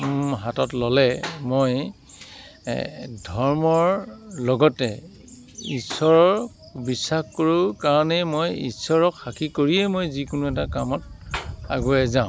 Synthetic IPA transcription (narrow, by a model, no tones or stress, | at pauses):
ɦatɔtlɔlɛmoj | dʱɔɹmɔɹlɔɡɔtɛ̰ | isɔɹɔɹ | bisːaxkoɹʊkaɹɔnɛmojḭsɔɹɔkxakʰikoɹijɛmojzikʊnʊɛtakamɔta̰ɡuɛzaʊ̃